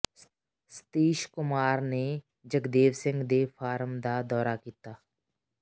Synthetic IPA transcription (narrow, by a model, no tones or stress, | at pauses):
st̪iːʃkʊmaːɾne | d͡ʒəɡd̪eːʋsɪ̃ŋɡd̪eːʋfaːɾəmd̪ad̪ɔːɾakiːt̪aː